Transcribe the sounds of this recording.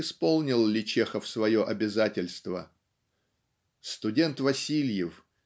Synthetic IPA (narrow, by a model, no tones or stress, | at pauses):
ɪspo̞lˠnʲɪlˠlʲɪt͡ɕexəfsvɐjo̞ʔɐbʲɪzatʲɪlʲst̪və | st̪ʊdʲe̞nt̪vɐsʲilʲjɪf